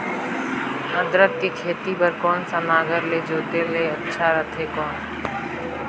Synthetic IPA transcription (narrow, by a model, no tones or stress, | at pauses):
nəd̪ɾət̪̚kekʰeːt̪ipəɾkɔːnsanaːɡəɾleːd͡ʒoːt̪eleɐtːʃʰaɾɐt̪ʰekɔːnː